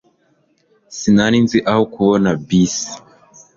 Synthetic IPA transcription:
sinaninziʔahokuβonabisi̥

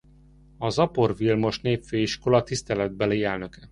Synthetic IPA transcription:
ɒzɒpo̞rvilmo̞ʃneːpføːjiʃko̞lɒt̪ist̪ɛlɛd̪̚bɛleːɛlnø̞kɛ

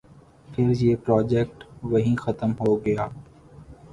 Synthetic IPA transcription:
pʰɪɾjeːpɾaːd͡ʒeːk̚ʈʋɐɦĩːxət̪əmɦoːɡɐjaː

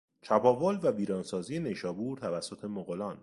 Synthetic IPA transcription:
t͡ʃʰæbɒːvolvæbiːɾɒːnsɒːzije̞ne̞jʃɒːbuːɾt̪ʰævæsːot̪ʰe̞moɣolɒːn

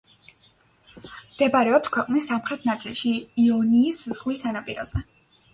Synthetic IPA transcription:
md̪̥ɛbaɾɛɔpskʰwɛqʼnisːamχɾɛt̪ʰnat̪sʼilˠʃiːɔniːsz̥ʁwisanapʼiɾɔ̰zɛ

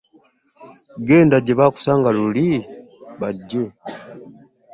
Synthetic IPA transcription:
ɡɛndaɟɛβaku̥saŋɡaluli | baɟɛ

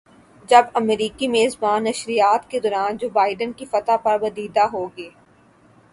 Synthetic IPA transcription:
d͡ʒɐbɐmɾiːkimeːzbaːnːɐʃɾijaːt̪ked̪ɔːɾaːnd͡ʒoːbaːɪɖənkifɐt̪apɐɾbɐd̪iːd̪aɦoːɡeː

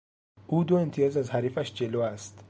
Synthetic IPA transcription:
ʔuːd̪oemt̪ʰijɒːzæzhæɾiːfæʃd͡ʒe̞loːæst̪

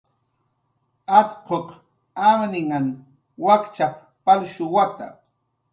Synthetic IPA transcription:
at̪qoq | amnɪŋan | wakt͡ʃap | palʃʊwat̪a̰

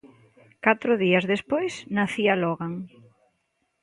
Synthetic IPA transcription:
kat̪ɾʊðiɐzðespojsnaθialɔɣaŋ

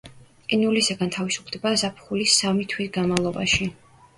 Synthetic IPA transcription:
qʼinulisaɡant̪ʰavisu̥pʰld̪ɛbazapʰχulisamit̪ʰwisɡanmavlˠɔba̰ʃi

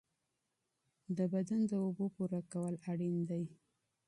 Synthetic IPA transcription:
d̪əbad̪and̪əobopuɾakawəlaɽind̪aj

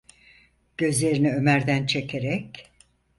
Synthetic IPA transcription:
ɟ̥ø̞zlʲe̞ɾiniø̞mæɾd̪ænt͡ʃʰe̞cʰeɾɛc

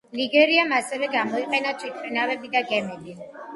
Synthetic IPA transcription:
liɡɛɾiamasɛvɛɡamɔiqʼɛnatt͡ʃ̪ʰʼit̪ʰɾɛnavɛbid̪aɡɛmɛbi

